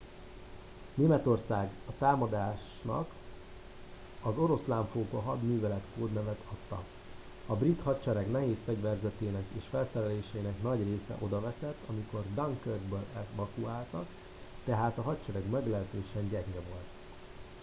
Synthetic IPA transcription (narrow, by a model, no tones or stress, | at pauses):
neːmɛt̪o̞rsaːɡɒt̪aːmɒd̪aːʃ | nɒ̰k | ɒzo̞ɾo̞slaːɱfoːkoɦɒd̪myːvɛlɛt̪koːd̪nɛvɛt̪ʰɒt̪ːɒ̰ | ɒbrit̪hɒt͡ʃɛɾɛɡnɛɦeːsfɛɟvɛrzɛt̪eːnɛkeːʃfɛlsɛɾɛleːʃɛjinɛknɒɟreːsɛ̰ʔo̞d̪ɒvɛsɛt̪ːɒmiko̞rd̪ɒŋkørɡbølɛvɒkuaːlt̪ɒk | t̪ɛɦaːt̪ɒɦɒt͡ʃɛɾɛɡmɛɡlɛɦt̪øːʃɛɲɟɛɡɲɛvo̞lt̪